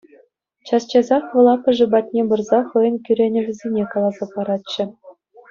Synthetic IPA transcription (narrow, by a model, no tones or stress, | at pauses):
t͡ɕɑst͡ɕɑzɑχʋɤ̆lˠɑpʲɘ̆ʐɘ̆bɑt̪ʲnʲebɤ̆rzɑχɤjɤ̆nkʲyɾʲenʲɘ̆vʲɘ̆zʲenʲekɑlˠɑzɑpɑɾɑt̪ɕɘ̆